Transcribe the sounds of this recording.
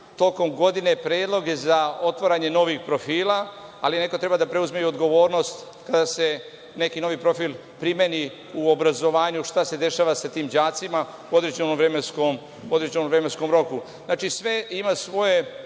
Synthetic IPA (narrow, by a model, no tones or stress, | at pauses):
t̪o̞ko̞mɡo̞d̪ine̞pɾe̞ːd̪lˠo̞ɡezao̞t̪ʋoɾaɲe̞no̞ʋixpɾo̞fiːlaaline̞ko̞t̪ɾe̞bad̪apɾe̞uzmejod̪ɡo̞ʋo̞ːɾno̞st̪ | kad̪ase̞ | ne̞kino̞ʋipɾo̞fil | pɾime̞ni | uobɾazo̞ʋaːɲuʃt̪ase̞d̪e̞ʃaːʋasat̪iːmd͡ʑaːt̪sima | uo̞d̪ɾed͡ʒenomvɾemenskom | uod̪ɾed͡ʒenomvɾemensko̞mɾo̞ku | znaːt͡ʃisʋe̞imasʋo̞je̞